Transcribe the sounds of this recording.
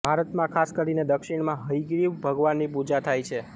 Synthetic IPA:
bʱaɾət̪mãkʰaskəɾined̪əkʃiɽmãɦəjɡɾiʋbʱəɡʋanːipud͡ʒat̪ʰajt͡ʃʰe

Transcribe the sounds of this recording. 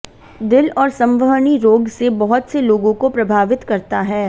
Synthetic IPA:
d̪ɪlɔːɾsɐ̃mʋəɦɳiɾoːɡsebɐɦʊt̪seloːɡõkopɾɐbʱaːʋɪt̪kɐɾt̪aɦɛː

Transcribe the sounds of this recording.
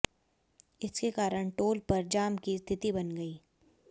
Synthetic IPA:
ɪskekaːɾəɽʈoːlpɐɾd͡ʒaːmkist̪ʰɪt̪ibɐnɡɐiː

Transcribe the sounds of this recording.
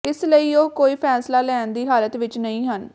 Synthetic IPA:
ɪsləiːoːkoːiːpʰɛːslaːlɛːnd̪iːɦaːlət̪ʋɪt͡ʃnəĩːɦən

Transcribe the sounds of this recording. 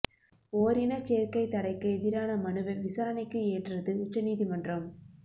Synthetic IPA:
oːɾɪnɐt͡ʃeːɾkɐɪt̪ːɐɽɐɪkːɐɛðɪɾaːnɐmɐnɯʋɐʋɪsaːɾɐnɐɪkːɯeːʈrɐðɯʊt͡ʃːɐniːðimɐndrɐm

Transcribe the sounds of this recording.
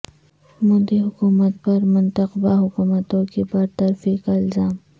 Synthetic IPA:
mod̪iɦʊkuːmət̪̚pɐɾmʊnt̪əqbaɦʊkuːmət̪õkebɐɾt̪ɐɾfikaɪlzaːm

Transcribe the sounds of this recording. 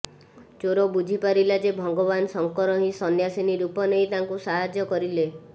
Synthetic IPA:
t͡ʃoɾɔbud͡ʒʱipaɾilad͡ʒebʱɔŋɡɔbansɔŋkɔɾɔɦĩsɔnjasiniɾupɔnejt̪aŋkusaɦad͡ʒjɔkɔɾile

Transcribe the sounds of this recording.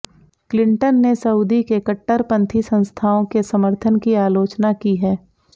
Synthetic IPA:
klɪ̃ɳʈənːesɐuːd̪ikekəʈːəɾpɐ̃nt̪ʰisə̃nst̪ʰaːõkesɐməɾt̪ʰənkiaːloːt͡ʃnakiɦɛː

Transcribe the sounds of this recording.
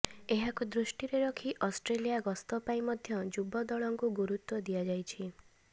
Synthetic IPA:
eɦakud̪ɾuʃʈiɾeɾɔkʰiʔɔsʈɾelijaɡɔst̪ɔpaĩmɔd̪ʱjɔd͡ʒubɔd̪ɔɭɔŋkuɡuɾut̪wɔd̪ijad͡ʒajt͡ʃʰi

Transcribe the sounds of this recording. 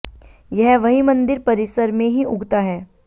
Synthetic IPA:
jɐɦʋɐɦimɐ̃nd̪ɪɾpɐɾɪsəɾmẽɦiʊɡt̪aɦɛː

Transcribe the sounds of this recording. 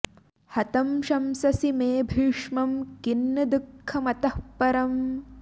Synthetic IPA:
hɐt̪ɐmʃɐmsɐsimeːbʱiːʂmɐmkinːɐd̪ukʰːɐmɐt̪ɐhpɐɾɐm

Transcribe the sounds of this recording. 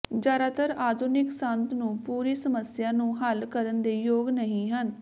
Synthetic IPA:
d͡ʒjaːɾaːt̪əɾaːd̪ʱunɪksənt̪nũːpuːɾiːsəməsjaːnũːɦəlkəɾənd̪eːjoːɡnəɦĩːɦən

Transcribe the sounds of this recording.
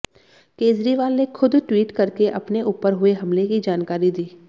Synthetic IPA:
keːd͡ʒɾiʋaːlnekʰʊd̪ʈwiːʈkɐɾkeʔɐpneʔuːpəɾɦʊeɦɐmlekid͡ʒaːnkaːɾid̪iː

